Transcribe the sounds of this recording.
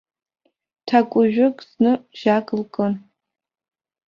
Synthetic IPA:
tʰakʷʼʊʒᶣʊkʼznɨʒ̥akʼlkʼɨn

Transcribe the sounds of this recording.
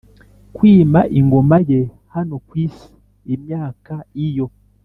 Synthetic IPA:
kwiːmaʔiŋɡo̞maje | hano̞kwiːsi̥ | imjaːkaijo̞

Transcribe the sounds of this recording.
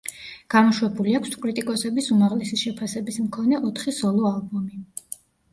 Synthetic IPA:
ɡ̥aɾuʃwɛbuliakʷʰskʼɾit̪ʼikʼɔsɛbisumaʁlɛsiʃɛpʰasɛbismkʰɔnɛʔɔt̪ʰχisɔlˠɔalˠbɔmi

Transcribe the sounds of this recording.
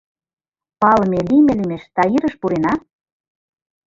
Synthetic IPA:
pɑlɤmelimĕlimeʃt̪ɑiɾə̆ʃpuɾenɑ

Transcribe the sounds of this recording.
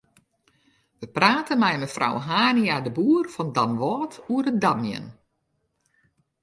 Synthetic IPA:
ʋəpraːtənmɛjməfrʔa̰wɦaːniadəbuərfɔndamʋɔːtʰuərədamjə̰n

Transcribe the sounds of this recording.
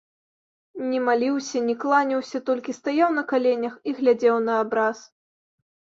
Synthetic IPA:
nʲɛmalʲiwsʲɐnʲɛklˠanʲiwsʲɐt̪ɔlʲkʲist̪ajawnɐkalʲɛnʲɐxiɣlʲad͡zʲɛwnɐːbɾas

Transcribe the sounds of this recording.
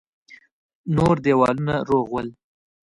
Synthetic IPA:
noɾd̪ewɑlunaɾoɣwəl

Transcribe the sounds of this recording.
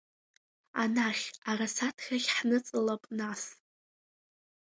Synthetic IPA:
anaχʲarasatʰxʲaχʲħnɨt͡sʼɨlapʼnas

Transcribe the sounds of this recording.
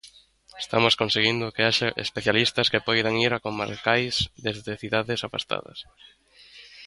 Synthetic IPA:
est̪amoskonseɣind̪ʊkeaʃaʔḛspeθjalist̪ɐskepɔjðaŋiɾakoma̰ɾkajzd̪ezðeθiðaðɪsafa̰st̪a̰ðɐ̰s

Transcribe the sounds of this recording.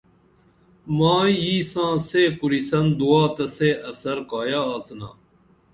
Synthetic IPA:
mãːjiːsãːseːkuɾisɐnd̪uaːt̪ɐseːʔɐsɐɾkaːjaːaːzna̰ː

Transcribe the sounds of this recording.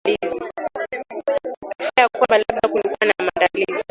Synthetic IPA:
lizi | pfiajakwambalaɓ̚ɗakulikuwanamandalizi

